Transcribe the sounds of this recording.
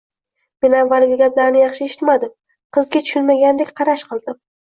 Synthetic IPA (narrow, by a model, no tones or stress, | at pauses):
me̞navːalɡʲɪɡʲaplaɾnɪjɑχʃɪeʃɪ̥t̪mad̪ɪm | qʰɨzɡʲat̪ʰʊ̥ʃʊnmaɡʲand̪ekʲqʰɑɾaʃqɨlˠd̪ɪm